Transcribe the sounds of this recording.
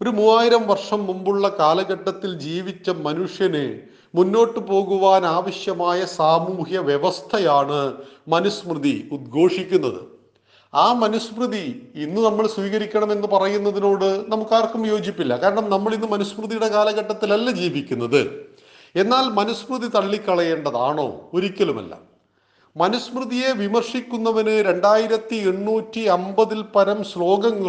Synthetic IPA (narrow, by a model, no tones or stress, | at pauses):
o̞ɾumuːaːjiɾɐmʋɐrʂɐmːumbuɭːɐkaːlɐɣɐʈːɐt̪ːild͡ʑiːʋit͡ɕːɐmɐnuʂjɐnɨ | munːo̞ːʈːɨpo̞ːɣuʋaːnaːʋɐɕjɐmaːjɐsaːmuːhjɐʋjeʋɐst̪ʰɐjaːɳɨmɐnusmrɨðiud̪̚ɡʱo̞ːʂikʲːunːɐðɨ̰ | aːmɐnusprɨðiinːɨnɐmːɐɭswʋiːɣɐɾikʲːɐɳɐme̞nːɨpɐrɐjunːɐðino̞ːɽɨnɐmukːaːrkumjo̞ːd͡ʑipːilːɐkaːɾɐɳɐmnɐmːɐɭinːɨmɐnusmrɨðijuɽe̞kaːlɐɣɐʈːɐt̪ːilɐlːɐd͡ʑiːʋikʲːunːɐðɨ̰ | e̞nːaːlmɐnɐsprɨðit̪ɐɭːikʲːɐɭɐjeːɳɖɐða̰ːɳo̞̰ːoɾikʲːɐlumɐ̰lːɐ̰ | mɐnɐsprɨðije̞ʋimɐrʂikʲːunːɐʋɐnɨɾe̞ɳɖaːjiɾɐt̪ːieɳːuːtːiɐmbɐðilpɐɾɐmslo̞ːɡɐŋ